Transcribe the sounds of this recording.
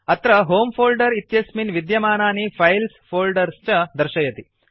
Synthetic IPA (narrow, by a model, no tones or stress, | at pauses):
ɐt̪ɾɐɦoːmpʰoːlɖɐɾit̪jɐsminʋid̪jɐmaːnaːnipʰɐjlspʰoːlɖɐɾst͡ʃɐd̪ɐɾʃɐjɐt̪i